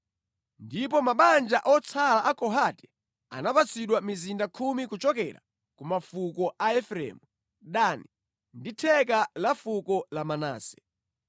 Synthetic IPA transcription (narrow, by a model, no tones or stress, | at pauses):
ndip̬ɔmaɓand͡ʒaʔɔt͡sʰalaʔakɔɦatɛ̥ | a̰napat͡siɗwamizindakʰumikut͡ʃɔkɛ̰ɾa̰ | kumafukɔʔaɛfɾɛ̰ːmu | ɗani | nditʰɛkalafukɔlamana̰ːsɛ̥